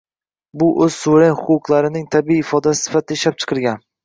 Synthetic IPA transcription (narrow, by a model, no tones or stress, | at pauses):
bʊʔɵz̥sʊɾenhʊqqlˠaɾɪnɪŋt̪ʰabiiːfɒd̪asɪ̥sɪ̥fat̪ʰɪʃlap̚t͡ʃʰɨ̥qʰɨɾɡʲan